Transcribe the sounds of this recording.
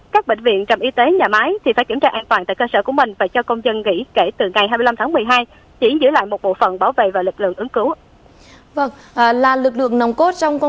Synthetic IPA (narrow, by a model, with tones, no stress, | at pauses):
kaː˦˥k̚ɓḛ˧˨ŋ̟vḭ˧˨ənt͡ɕɔ˨˩mʔi˧t̪e˨˦ɲaː˨˩maː˨˦jt̪ʰi˨˩faː˧˩jki˧˩mt͡ɕaː˧ʔaː˧nt̪waː˨˩nt̪a̰ː˧˨kəː˧səː˧˩ku˧˩əmï˨˩ŋ̟vaː˨˩t͡ɕɔ˧kə˧wŋ͡mzə˧nŋḭ˧˥ke˧˩t̪ɨ˨˩ŋa˨˩jhaː˧mɨ˧jla˧mt̪ʰaː˨˦ŋmɨ˨˩əjɦaː˧j | t͡ɕi˧˩zɨ̰˧˥əla̰ː˧˨jmo˨˩t̚ɓo̰˧˨fə˨˩nɓaː˧˩wvḛ˧˨vaː˨˩lɨ˨˩k̚lɨ̰˧˨əŋʔɨ˨˦ŋkɨ˨˦w | və˧ŋ | ʔlaː˨˩lɨ˨˩k̚lɨ̰˧˨əŋnə˨˩wŋ͡mko˦˥t̚t͡ɕɔ˧wŋ͡mkɔ˧